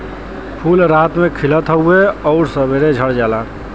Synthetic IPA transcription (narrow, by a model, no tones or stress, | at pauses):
pʰulɾat̪mekʰilət̪ɦəeɔʊɾsəbeɾed͡ʒʱəɽd͡ʒalaːn